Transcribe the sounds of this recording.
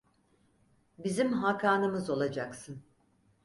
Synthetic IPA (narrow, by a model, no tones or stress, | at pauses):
bizimɦakʰaːnɯmɯzo̞lˠad͡ʒaksɯn